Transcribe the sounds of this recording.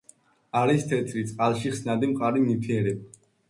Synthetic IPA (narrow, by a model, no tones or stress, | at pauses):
aɾist̪ʰɛt̪sʰʼɾit̪sʼqʼalˠʃiχsnad̪imqʼaɾinipʰiɛɾɛ